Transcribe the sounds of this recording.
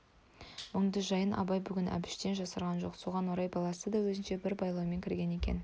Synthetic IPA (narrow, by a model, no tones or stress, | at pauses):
mʊɴd̪əzʒɑjənʔɑ̰bɑjbʏɡʲɪnʔæ̰bɪ̥ʃt̪e̞nʒɑsɑɾʁɑnʒo̞qso̞ʁɑnwoɾɑjbɑlˠɑsəd̪ɑwɵzɪnʃe̞bɪɾbɑjlˠɑwme̞ŋʲkʲɪɾɡʲe̞ne̞kʲe̞̰n